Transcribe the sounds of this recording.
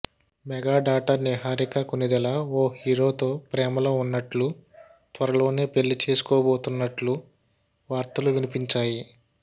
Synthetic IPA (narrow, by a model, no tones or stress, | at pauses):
mɛɡaːɖaːʈɐɾniɦaːɾikɐkunid̪ɛlaoːhiːɾo̞ːt̪o̞ːpɾɛːmɐlo̞ːunːɐʈlu | t̪ʋɐɾɐlo̞ːne̞ːpe̞lːit͡ʃe̞ːsu̥koːboːt̪unːɐʈlu | ʋaːɾt̪ɐluʋinipiɲt͡ʃaːji